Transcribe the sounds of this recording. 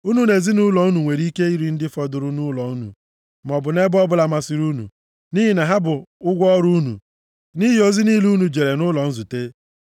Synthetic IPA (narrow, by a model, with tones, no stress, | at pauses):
u˦nu˦ne˨zi˦nʊ˦lɔ˨u˦nu˨ŋʷe˨ɾi˦ke˦i˦ɾi˨˦n̩˦dɪ˦fɔ˦dʊ˨ɾʊ˨nʊ˦lɔ˨u˦nṵ˨ | m˨ɔ˨bʊ˨ne˦bɔ˦bʊ˦la˨ma˦si˨ɾu˦nṵ˨ | ni˦ɦi˨na˨ɦa˦bʊ˨ʊ˦ɡʷɔ˦ɾu˦nṵ˨ | ni˦ɦi˦o˦zi˦niː˦lu˦nu˨d͡ʒe˨ɾe˨nʊ˦lɔ˨n̩˦zu˨te˦